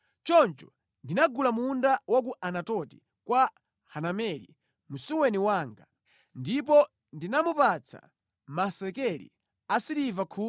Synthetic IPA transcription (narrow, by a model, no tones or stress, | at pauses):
t͡ʃɔnt͡ʃɔ | ndinaɡulamundawɔk̬uʔanatɔti̥ | kwa | hanamɛlḭ | musuwɛniwaːŋɡa | ndip̬ɔ | ndinamupat͡sʰa̰ | masɛkɛlḭ | asiɾivakʰuː